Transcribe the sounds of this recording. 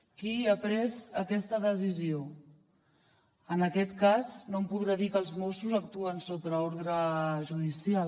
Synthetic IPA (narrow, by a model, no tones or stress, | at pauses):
kiəpɾɛzəkɛst̪əðəsizio | ənəkɛt̪kaznompuðɾaðikəlˠzmosuzəkt̪uənsot̪ɾəoɾðɾəʒuðisial